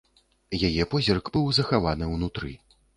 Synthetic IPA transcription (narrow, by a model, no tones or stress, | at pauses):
jajɛpɔzʲɛrɡbɨwzɐxavanɨwnut̪ɾɨ